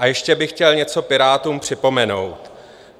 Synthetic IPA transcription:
ʔajɛʃcɛbɪxcɛlɲɛt͡so̞pɪɾaːt̪uːmpr̝̥ɪpo̞mɛno̞̰wt̪

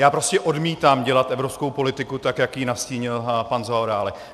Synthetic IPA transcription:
jaːpɾoscɛʔo̞dmiːt̪aːmɟɛlat̪ʔɛvɾo̞pskowpo̞lɪt̪ɪkut̪akjakjinasciːɲɪlpanzaoɾaːlɛk

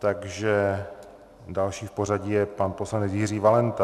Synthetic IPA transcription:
t̪aɡʒɛ | dalʃiːfpor̝aɟɪjɛpanpo̞slanɛt͡sjɪriːvalɛnt̪a

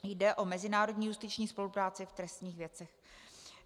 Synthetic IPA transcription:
jdɛʔo̞mɛzɪnaːɾodɲiːjust̪ɪt͡ʃɲiːspo̞lupɾaːt͡sɪft̪ɾɛst̪ɲiːxvjɛt͡sɛx

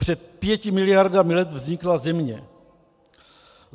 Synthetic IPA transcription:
pr̝̥ɛt̪̚pjɛcɪmɪlɪjaɾdamɪlɛt̪vzɲɪklazɛmɲɛ

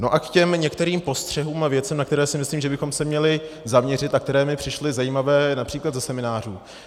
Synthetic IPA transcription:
no̞ʔakcɛmɲɛkt̪ɛɾiːmpo̞st̪r̝̥ɛɦuːmavjɛt͡sɛmnakt̪ɛɾɛːsɪmɪsliːmʒɛbɪxomsɛmɲɛlɪzamɲɛrɪt̪nak̚t̪ɛɾɛːmɪpr̝̥ɪʃlɪzajiːmavɛːnapr̥iːklad̪zasɛmɪnaːr̝uː

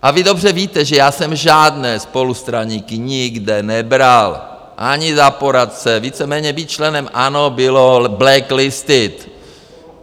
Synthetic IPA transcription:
ʔavɪdo̞br̝ɛviːt̪ɛʒɛjaːsɛmʒaːdnɛːspo̞lust̪ɾaɲiːkɪɲɪɡdɛnɛbɾal | ʔaɲɪzapoɾat̪̚t͡sɛviːt͡sɛmɛːɲɛbiːt̪̚t͡ʃlɛnɛmʔanobɪloblɛklɪst̪ɪt̪

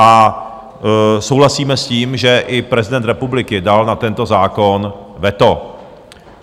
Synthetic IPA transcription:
ʔa | so̞wɦlasiːmɛsciːmʒɛʔɪpɾɛzɪdɛnt̪ɾɛpublɪkɪdalnat̪ɛnt̪o̞zaːkonvɛt̪o

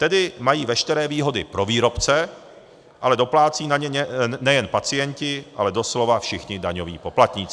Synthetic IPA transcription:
t̪ɛdɪmajiːvɛʃt̪ɛɾɛːviːɦo̞dɪpɾo̞viːɾo̞pt͡sɛ | ʔalɛdo̞plaːt͡siːnaɲɛɲɛnɛjɛnpat͡sɪjɛɲcɪʔa̰lɛdo̞slo̞vafʃɪxɲɪdaɲo̞vḭːpo̞plat̪ɲɪːt͡s

